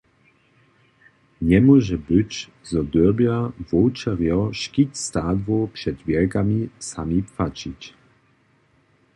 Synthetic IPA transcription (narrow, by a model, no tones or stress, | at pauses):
ɲɛmwɔʒɛbɪc | zɔd̪əbjavɔwt͡ʃɛʁjɔʃkicst̪aːd̪vopʂɛd̪vjɛlkamisamipfat͡ʃic